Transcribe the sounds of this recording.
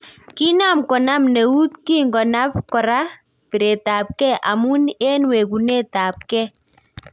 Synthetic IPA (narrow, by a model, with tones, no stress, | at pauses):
ki˦na˦˨mkɔ˨na˦mne˨u˦t̪̚ki˦˨ŋɡɔ˨na˦pkɔ˨ɾa˦ | pi˨ɾe˨ta˨p̚kɛ˦˨ʔa˨mu˦ne˦nwe˨ku˨ne˦˨ta˨p̚kɛ˦